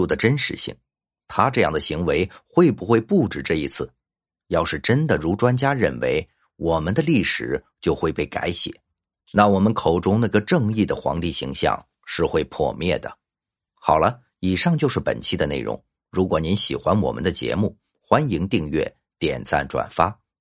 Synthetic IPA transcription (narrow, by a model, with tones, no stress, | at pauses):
u˥˩d̪ə˩ʈ͡ʂə˥nʂɻ̩˧˥ɕḭ˥˩ŋ | t̪ʰa˥ʈ͡ʂɤ˥˧jɑ̰˥˩ŋd̪ə˩ɕi˧˥ŋwe˧˥ɪxwe˥˩ɪpu˧˥xwe˥˧ɪpu˥˩ʈ͡ʂɻ̩˨˩ʈ͡ʂɤ˥˩i˧˥t͡sʰɹ̩˥˩ | jɑ˥˧ʊʂɻ̩˥˩ʈ͡ʂə˥nd̪ə˨ɻu˧˥ʈ͡ʂwa˥nt͡ɕja˥ɻə̰˥˩nwḛ˧˥ɪ | wɔ˨˩mə˦nd̪ə˧li˥˩ʂɻ̩˨˩˦ | t͡ɕjo˥˧ʊxwe˥˧ɪpe˥˩ɪka˧˥ɪɕjɛ̰˨˩˦ | na˥˩wɔ˨˩mə˦nkʰo˨˩ʊʈ͡ʂʊ˥ŋna˥˧ɡə˧ʈ͡ʂɤ˥˧ŋi˥˩d̪ə˩xwɑ̰˧˥ŋt̪i˥˩ɕḭ˧˥ŋɕjɑ̰˥˧ŋ | ʂɻ̩˥˧xwe˥˧ɪpʰwɔ̰˥˧mjɛ̰˥˩d̪ə̰˩ | xɑ˨˩ʊlə˦ | i˨˩ʂɑ˥˧ŋt͡ɕjo˥˧ʊʂɻ̩˥˩pə̰˨˩nt͡ɕʰi˥˩d̪ə˩˦nḛ˥˩ɪɻʊ̰˧˥ŋ | ɻu˧˥kwɔ˨˩ni˧˥nɕi˨˩xwa˥nwɔ̰˨˩mə̰˦nd̪ə˧t͡ɕjɛ̰˧˥mu˥˩ | xwa˥nji˧˥ŋt̪i˥˧ŋɥɛ̰˥˩ | t̪jɛ˨˩nt͡sʰa̰˥˩nʈ͡ʂwa̰˨˩nfa˥